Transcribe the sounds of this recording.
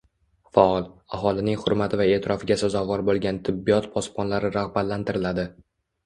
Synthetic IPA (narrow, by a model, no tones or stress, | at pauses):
faɒlˠaɦɒlˠɪnɪŋhʊɾmat̪ʰɪvae̞ːt̪ʰɪɾɒfɪɡʲasazɒvɒɾbolˠɡʲant̪ʰɪbːijɒt̪pʰɒspʰɒnlaɾɪɾaʁbat̪lant̪ʰɪɾɪlad̪ɪ